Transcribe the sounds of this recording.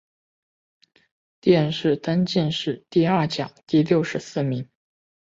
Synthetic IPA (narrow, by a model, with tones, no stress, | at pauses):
t̪jɛ˥˧nʂɻ̩˥˩t̪a˥nt͡ɕi˥˧nʂɻ̩˥˩t̪i˥˧ɐ˞˥˩t͡ɕjɑ˨˩˦ŋt̪i˥˧ljo˥˩ʊʂɻ̩˧˥sɹ̩˥˩mi˧˥ŋ